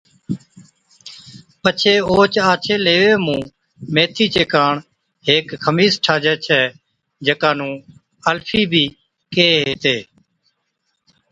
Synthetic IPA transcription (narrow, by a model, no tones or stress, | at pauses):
pət͡ʃʰeːoːt͡ʃaːt͡ʃʰeːleːʋeːmũː | meːt̪ʰiːt͡ʃeːkaːɳ | ɦeːkkʰəmiːsʈʰaːd͡ʒɛːt͡ʃʰɛː | d͡ʒəkaːnũː | əlpʰiːbʱiː | keːɦeːt̪eː